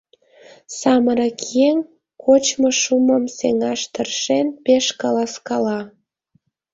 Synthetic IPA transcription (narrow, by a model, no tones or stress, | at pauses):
sɑməɾɑkjeŋ | kʰot͡ɕmoʃuməmseŋɑʃt̪ərʃenpeʃkɑlɑskɑlɑ